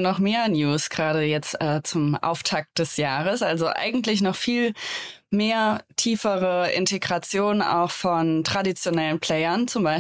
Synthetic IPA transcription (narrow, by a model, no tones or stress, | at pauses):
nɔχmeːɐnjuːsɡ̥ʁaːɾəjɛt͡stʔɛːt͡sʊmʔa̰ʊftʰak̚t̚d̥ɛsjaːʁəsʔalzoʔa̰ɪɡŋ̩tlɪç̬nɔχfiːlmeːɐtʰiːfəʁəʔɪ̰nteɡʁat͡sjoːna̰ʊxfɔntʁ̥adit͡sjonɛlənpl̥ɛɪɐnt͡sʊmbaɪ